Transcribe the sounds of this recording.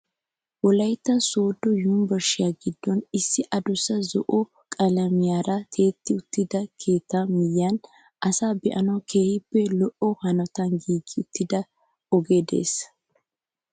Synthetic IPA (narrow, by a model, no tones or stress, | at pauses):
wɔlɐjt̪ːɐsoːd̪ːɔjuːmbɐʃːɪjaɡɪd̪ːɔnɪsːɪʔɐd̪ʊsɐzɔ̰ʔɔ | kʼɐlɐmɪjaːɾɐt̪ʰe̞ːt̪ːɪʊt̪ːɪd̪ɐkʰeːt̪ːɐmɪjːɐn | ʔɐsaːbɛʔɐnɐwkʰe̞ːhɪpːɛlɔʔɔhɐnɔt̪ɐnɡiːɡɪʊt̪ʰːɪd̪ɐ | ɔɡeːd̪e̞̰ːs